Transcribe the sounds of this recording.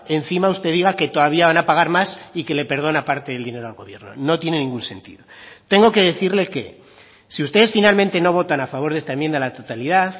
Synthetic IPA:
e̞n̟θimaust̪e̞ðiɣ̞ake̞t̪o̞ðaβiaβanapaɣ̞aɾmasike̞le̞pe̞ɾð̞o̞napaɾt̪eðeld̪ineɾo̞alɣo̞βje̞ɾno̞̰no̞t̪je̞ne̞nĩŋɡunse̞̰nt̪ḭðot̪e̞ŋɡo̞ke̞ð̞e̞θiɾle̞ke̞̰ | siust̪e̞ðe̞sfinalmẽnt̪e̞no̞β̞o̞t̪anafaβ̞o̞ɾð̞e̞st̪aemje̞nd̪alat̪ot̪aliðaθ

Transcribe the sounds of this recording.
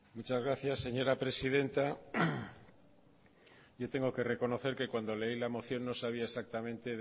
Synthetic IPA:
mut͡ʃazɣɾaθjasːe̞ɲo̞ɾapɾe̞siðe̞nt̪a | ʝo̞t̪e̞ŋɡo̞ke̞re̞ko̞no̞θe̞ɾke̞kwand̪o̞le̞ilamo̞θjo̞nːo̞saβ̞iaesak̚t̪amẽnt̪e̞

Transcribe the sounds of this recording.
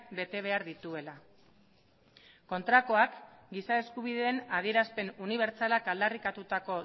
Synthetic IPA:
be̞t̪e̞β̞e̞aɾðit̪ue̞la | ko̞nt̪ɾako̞akɡisae̞skuβ̞iðe̞ːnað̞ie̞ɾaspe̞nuniβ̞e̞ɾt͡salakald̪arikat̪ut̪ako̞

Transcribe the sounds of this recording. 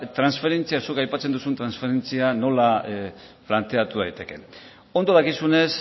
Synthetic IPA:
t̪ɾansfe̞ɾe̞nt͡siasukajpat͡se̞nd̪usunt̪ɾansfe̞ɾe̞nt͡siano̞la | plant̪e̞at̪uð̞ajt̪e̞ke̞n | o̞nd̪o̞ð̞akisune̞s

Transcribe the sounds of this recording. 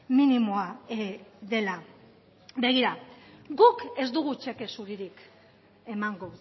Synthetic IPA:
minimoaeðe̞la | be̞ɣ̞iɾaɡuke̞zd̪uɣut͡ʃe̞ke̞suɾiɾik | e̞maŋɡo

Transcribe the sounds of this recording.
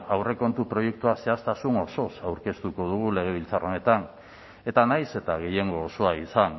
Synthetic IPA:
awre̞ko̞nt̪upɾo̞je̞k̚t̪uase̞ast̪asuno̞so̞sawɾke̞st̪uko̞ðuɣ̞ule̞ɣ̞e̞β̞ilt͡saro̞ne̞t̪an | e̞t̪anajse̞t̪aɣ̞e̞je̞ŋɡo̞ːso̞aisan

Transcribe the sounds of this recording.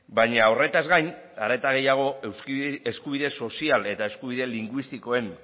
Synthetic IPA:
bajɲaore̞t̪azɣajn | aɾe̞t̪aɣ̞e̞jaɣ̞o̞ewseskuβ̞iðe̞so̞siale̞t̪ae̞skuβiðe̞liŋɡwist̪iko̞e̞n

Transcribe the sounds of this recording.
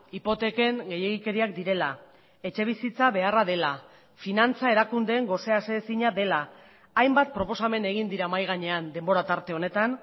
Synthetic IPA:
ipo̞t̪e̞ke̞ŋɡe̞je̞ɣ̞ike̞ɾiak̚d̪iɾe̞la | e̞t͡ʃe̞β̞isit͡saβe̞araðe̞la | finant͡sae̞ɾakund̪e̞ːŋɡo̞se̞asesiɲaðe̞laː | jmbat̪̚pɾo̞po̞same̞ne̞ɣ̞ind̪iɾamajɣ̞aɲe̞and̪e̞mbo̞ɾat̪aɾt̪e̞o̞ne̞t̪an

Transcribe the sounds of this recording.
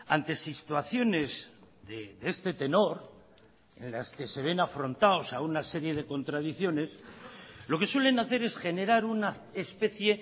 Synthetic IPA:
a̰nt̪e̞sit̪waθjo̞ne̞z | ðeðe̞st̪e̞t̪e̞no̞ɾ | e̞̰nlaske̞se̞β̞e̞nafɾo̞nt̪aosaunase̞ɾje̞ð̞e̞ko̞nt̪ɾaðiθjo̞ne̞s | lo̞ke̞swe̞le̞naθe̞ɾe̞sxe̞ne̞ɾaɾuna | espe̞θje̞

